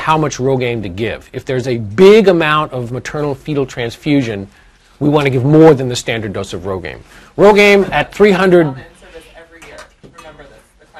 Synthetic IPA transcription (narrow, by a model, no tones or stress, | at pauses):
haʊmʌt͡ʃɹoʊɡẽɪ̃mtɨɡɪ̰vɨfðə˞zɨbɪɡəmãʊ̃ntʌvmɨtʰɜ̃˞nl̩ˠfiɾl̩ˠtʰɹ̥æ̃nsfjʉʒɨ̃n | wiwɑ̃ntɨɡɪvmɔɹðɨ̃nðɨstæ̃ndə˞doʊsʌvɹoʊɡḛ̃ɪ̃m | ɹoʊɡẽɪ̃mɨt̪̚θɹiɦʌ̃ndɹɨd̚